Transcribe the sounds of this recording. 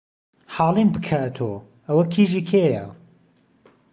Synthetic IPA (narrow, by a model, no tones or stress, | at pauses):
ħɑːlˠinbɨkʰat̪ʰo | ɐwɐkʰiːʒiːkʰeːjɐ